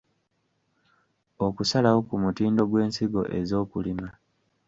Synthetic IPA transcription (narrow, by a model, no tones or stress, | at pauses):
o̞kusalawo̞kumutiːndo̞ɡwe̞ːnsiɡo̞̰ʔe̞zo̞ːkulima